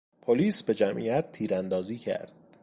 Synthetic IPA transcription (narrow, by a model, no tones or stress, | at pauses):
pʰoliːsbe̞d͡ʒæmʔḭæt̪̚t̪ːʰiːɾænd̪ɒːziːcʰæ̰ɾd̪̥